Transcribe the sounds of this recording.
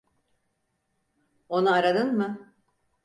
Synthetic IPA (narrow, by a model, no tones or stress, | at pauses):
o̞naaɾad̪ɯnmɯ